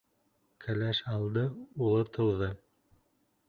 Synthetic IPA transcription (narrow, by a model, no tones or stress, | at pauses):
kʰælæʃɑlˠd̪ɤulˠɤt̪ʰɤ̆wðɤ